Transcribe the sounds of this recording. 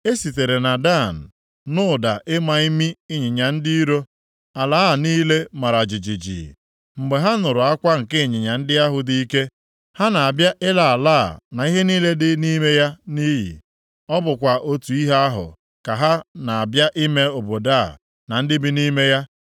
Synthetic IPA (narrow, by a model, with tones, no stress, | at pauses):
e˦si˨te˨ɾe˨na˨da˦˨n̩˨ | nʊ˦˨da˨ʔɪ˦ma˨i˦mi˦ɪ˦ɲɪ˨ɲa˨n̩˦dɪ˦i˦ɾo˦ | a˨la˨˦˨niː˦le˦ma˨ɾa˨d͡ʒɪ˨d͡ʒi˨d͡ʒḭ˨ | ŋ͡m̩˨ɡ͡be˨ɦa˦nʊ˨ɾʊ˨a˦kʷa˦ŋ̩˨kɪ˦˨ɲɪ˨ɲa˨n̩˦dɪ˦a˦ɦʊ˨di˦i˦ke˦ | ha˦na˨a˨bja˦ʔɪ˦la˨a˨laː˦˨na˨i˦ɦe˦niː˦le˦dɪ˦ni˦me˦ja˦ni˦jḭ˨ | ɔ˦bʊ˨kʷa˨ʔo˦tu˨i˦ɦa˦a˦ɦʊ̰˨ | ka˨ɦa˦na˨a˨bja˦ʔi˦me˦o˨bo˨da˦˨ | na˨n̩˦dɪ˦bi˦ni˦me˦ja˦